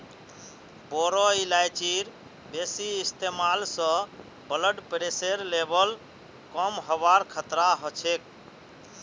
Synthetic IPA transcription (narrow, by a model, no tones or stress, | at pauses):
boɾɔilajt͡ʃiɾ | besiist̪emalsə̃ | bələɖpɾeseɾlebəl | kɔmɦəbaɾkʰət̪ɾaɦɔt͡ʃʰek̚